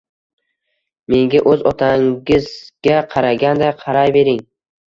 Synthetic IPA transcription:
me̞ŋɡʲaʔɵzɒt̪ʰaŋɪzɡʲaqʰɑɾaɡʲand̪aqʰɑɾajbe̞ɾɪŋ

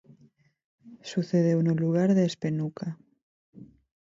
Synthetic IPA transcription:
suθeðeunoluɣ̞aɾðeːspenukʰa

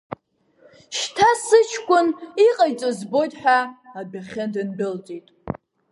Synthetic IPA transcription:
ʃtʰasɨt͡ʃʰkʷʼʊniqʼajt͡sʼozbo̞jtʼħʷᶣaabaχʲɪndɨnbɪlt͡sʼitʼ

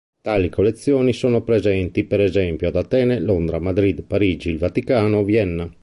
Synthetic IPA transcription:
t̪aːlikʰolːet̪sːjɔːnisoːnopɾezɛnt̪ipeɾɛzɛmpjoad̪at̪ɛːnelond̪ɾamad̪ɾid̪paɾiːd͡ʒiːlvat̪ikaːnovjɛnːa

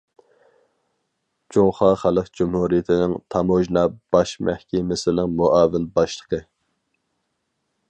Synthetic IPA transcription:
d͡ʒoŋχɑχælˠəqd͡ʒumhuɾijɪt̪ʰɪnɪŋt̪ʰɑmoʒnɑb̥ɑʃmʔæhkʲʰɛmɪsɪlɪŋmoʔɑːvɪnbɑʃlˠəqʰə

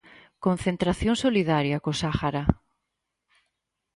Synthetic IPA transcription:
kõn̟θent̪ɾaθjõŋsoliðaɾjakosaxaɾa

